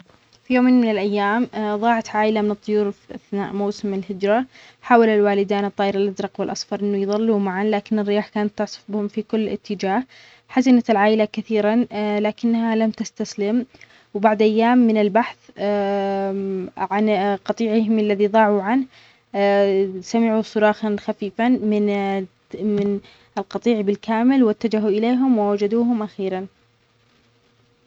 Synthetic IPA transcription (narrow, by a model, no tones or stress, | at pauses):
fijoːmeːnmɪnɪlʔajːaːmðˤɑːʕat̪ʕaːʔɪlamɪnɨt̪ˤːʊjuːɾfʔaθna̰ːʔmawsɪmɪlhɪd͡ʒɾˤɑ | ħaːwalalwaːlɪd̪aːnɨt̪ˤːɑːʔɪɾɪlʔadɾˤɑqwɪlʔɑsˤfɑɾˤʔɪnːʊjðˤɑlːumaʕanlaːkɪnɪrːɪjaːħkaːnat̪ːʊʕsˤʊ̥fbɪhʊmfikʊlːɪ̰t̪ːɪd͡ʒaːh | ħazɪnat̪ɪlʕaːʔɪlakaθiːɾanlaːkɪnːhalamt̪ast̪aslɪm | wbaʕd̪ʔajːaːmːɪnɪlbaħθ | ʕanqɑt̪ˤiːʕɪɦɪmalːaðiðˤɑːʕuʕanh | samɪʕusˤʊɾˤɑːxɑnxafiːfamɪn | mɪn | ɪlqɑt̪ˤiːʕbɪlkaːmɪlwɪt̪ːad͡ʒaɦuʔɪleːɦʊmwɪwad͡ʒad̪uːɦʊmʔaxiːɾan